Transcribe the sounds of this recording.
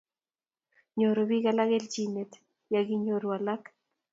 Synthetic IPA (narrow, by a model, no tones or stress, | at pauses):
ɲoɾoβiɣalaɣelt͡ʃinet̪ | jaɣiɲoɾualak